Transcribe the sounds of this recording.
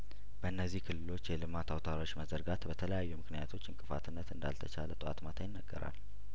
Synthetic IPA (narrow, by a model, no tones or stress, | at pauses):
bəɨnːəzːihkʰɨlːɨlo̞t͡ʃːjɛlɨmat̪ʰawt̪ʰaɾo̞t͡ʃːməzəɾɡat̪bət̪ʰələjajːumɨknijat̪ʰo̞t͡ʃːɨŋkʼɨfa̰t̪ʰɨnːət̪ɨnd̪a̰lt̪ʰət͡ʃalət̪ʼɨa̰t̪mat̪ʰajɪnːəɡːəɾa̰l